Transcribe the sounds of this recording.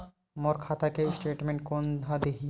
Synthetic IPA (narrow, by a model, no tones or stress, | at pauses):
moɾkʰat̪akesʈeʈmeɳʈ̚kond̪ʱad̪eɦi